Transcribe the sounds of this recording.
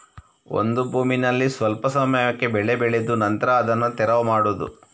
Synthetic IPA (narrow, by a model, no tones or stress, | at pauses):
o̞̰nd̪ubʱuːminɐlːisʋɐlpɐsɐmɐjɐkːe̞bɛɭebɛɭed̪unɐnt̪ɐɾɐːd̪ɐnːut̪ɛɾɐʋɐmaːɽud̪ṵ